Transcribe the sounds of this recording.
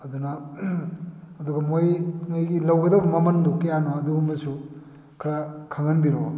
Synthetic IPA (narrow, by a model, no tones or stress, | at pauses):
ɐdunɐ | ɐduɡɐmojŋɐjɡilɐwɡɐdɐbɐmɐmɐndukɐjanoɐduɡumbɐsu | kʰɾakʰaŋɐnbiɾo